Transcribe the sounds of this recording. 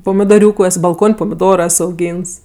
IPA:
poːmʲɪdoːˈrʲuːkʊ ɛs bɐlˠˈkoːnʲ poːmʲɪˈdoːroː ˈɛs ɐʊˈɡʲiːns

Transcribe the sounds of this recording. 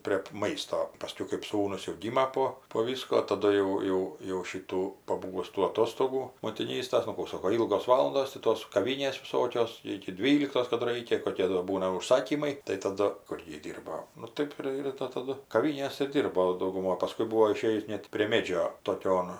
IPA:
pʲrʲiɛp ˈmɐɪstoː pɐˈsʲkʲɛʊ kɜp ˈsuːnʊs jɛʊ ˈɡʲiːmɐ poː poː ˈʋʲiːskoː tɐˈdʊ jɛʊ ˈjɛʊ jɛʊ ˈʃʲiːtuː pɐˈbuːʋʊs tuː ɐˈtoːstoːɡuː moːtʲɪˈnʲiːstɐs nʊ ˈkuː ˈsoːkoː ˈiːlˠɡoːs ˈʋɑːlˠɐndoːs tʲɪ ˈtoːs kɐˈʋʲiːnʲeːs ʋʲɪˈsoːkʲoːs ˌɪkʲɪ ˈdʲʋʲiːlʲɪktoːs ˈkɑːdʊ ˈrɐɪkʲɛ koːˈkʲiɛ doː ˈbuːnɐ ʊʃˈsɑːkʲiːmɐɪ tɐɪ tɐˈdʊ ˈkʊr jɪ ˈdʲiːrboː nʊ ˈtɜp ɪr ɪr tɐ tɐˈdʊ kɐˈʋʲiːnʲeːs ɪr ˈdʲiːrboː dɐʊɡʊˈmoːj pɐˈskʊɪ ˈbuːoː ɪˈʃʲeːjʊs ˈnʲɛt pʲrʲiɛ ˈmʲeːd͡ʒʲoː toːˈkʲoːn

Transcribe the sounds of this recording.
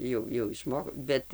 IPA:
ˈjɛʊ jɛʊ ɪʃˈmoː ˈbʲɛt

